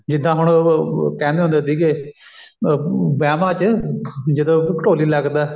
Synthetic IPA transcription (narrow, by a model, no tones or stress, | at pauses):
d͡ʒɪd̪ːãːɦʊɳkɛ̃ːnd̪eɦõːnd̪eːt̪iːke | bɛːmãːt͡ʃ | d͡ʒɪd̪õkəʈoːliːlɛɡd̪ɛː